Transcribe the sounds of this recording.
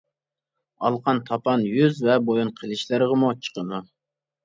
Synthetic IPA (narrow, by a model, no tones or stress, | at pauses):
ɑ̰lˠqʰɑnt̪ʰɑpɑnjyzvɛbojunqʰəlˠɪʃlɨɾʁəmut͡ʃʰə̥qʰəmu